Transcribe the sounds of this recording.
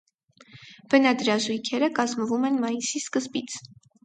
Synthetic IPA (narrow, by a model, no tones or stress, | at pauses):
v̥ənɑd̪ɾɑʒujkʰɛɾəkɑzməvumɛnmɑjisiskəzbit͡sʰ